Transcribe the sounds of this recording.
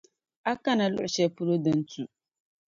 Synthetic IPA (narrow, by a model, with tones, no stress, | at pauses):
a˦ka˦na˨lʊ̰˦ʔʊ˨ʃɛ˦pu˦ɾo˦dɨ˦n˦tu˨